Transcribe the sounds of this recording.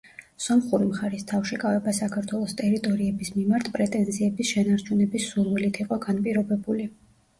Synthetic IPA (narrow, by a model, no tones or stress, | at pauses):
sɔmχuɾimχaɾist̪ʰafʃikʼavɛbasakʰaɾt̪ʰwɛlˠɔst̪ʼɛɾit̪ʼɔɾiɛbismimaɾt̪ʰpʼɾɛt̪ʼɛnziɛbisʃɛnaɾt͡ʃʰunɛbisːuɾvilit̪ʰiqʼɔɡanpʼiɾɔbɛbuli